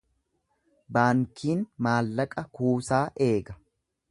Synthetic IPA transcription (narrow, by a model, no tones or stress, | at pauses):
baːŋkʰiːnmaːlːɐkʼɐkuːsaːʔe̞ːɡɐ